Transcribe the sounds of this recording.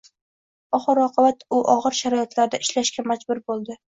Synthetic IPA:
ɒχɨɾɒqʰɨbat̪ʊʔɒʁɨɾʃaɾɒjɪt̪laɾd̪aɪʃlaʃkʲamad͡ʒbʊɾbolˠd̪ɪ

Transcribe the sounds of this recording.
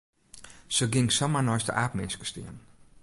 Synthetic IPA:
səɡɪŋsamanɔjstə̰ʔaːpmɪnskə̥stɪ̰ən

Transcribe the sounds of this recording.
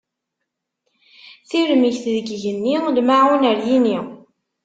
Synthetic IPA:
θiɾəmiçθðəɡʝənːilmaʕunəɾjini

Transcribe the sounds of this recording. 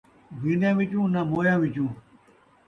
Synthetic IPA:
binjãːʋit͡ɕũːnamoːjãːʋit͡ɕũː

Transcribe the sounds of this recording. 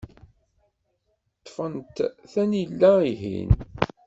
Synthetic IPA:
t̪ˤːfənt̪θænjlːæiɦḭn

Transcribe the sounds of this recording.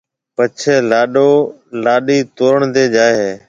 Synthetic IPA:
pət͡ʃʰeːlaːɗoːlaːɗiːt̪oːɾəɳd̪eːd͡ʒaːɦeː

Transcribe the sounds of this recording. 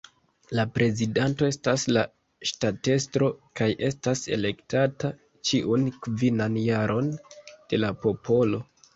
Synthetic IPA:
lapɾe̞zidanto̞e̞stasla | ʃtate̞stɾo̞kajʔe̞stase̞̰le̞ktata | t͡ʃiʔunkvinanjaɾʔo̞nd̥e̞lapo̞po̞lo̞

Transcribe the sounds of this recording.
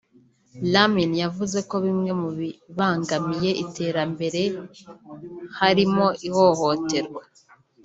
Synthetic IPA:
laminjavuze̞ko̞βimŋe̞muβiβaːŋɡamije̞ʔitʰe̞ːɾambe̞ɾe̞ | haɾimo̞ʔiho̞ho̞te̞ɾɡwa

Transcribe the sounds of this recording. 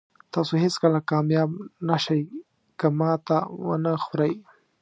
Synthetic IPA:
t̪ɑsoɦɪskəlakɑmjɑbnaʃaj | kamɑt̪awə̰nəxɾaj

